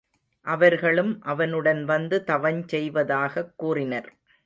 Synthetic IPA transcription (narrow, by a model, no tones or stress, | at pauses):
ʔɐʋɐɾɣɐɭɯmʔɐʋɐnɯɽɐnʋɐnd̪ɯt̪ɐʋɐnt͡ʃɛjʋɐðaːɣɐkːuːrɪnɐɾ